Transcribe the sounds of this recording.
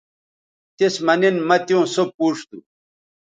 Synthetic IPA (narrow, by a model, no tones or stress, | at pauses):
t̪ismɐninmɐt̪jũːsopːuːʂt̪u